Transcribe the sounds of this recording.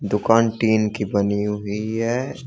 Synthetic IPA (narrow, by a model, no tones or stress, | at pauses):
d̪ʊkaːnʈiːnkibɐniuɦiɦɛ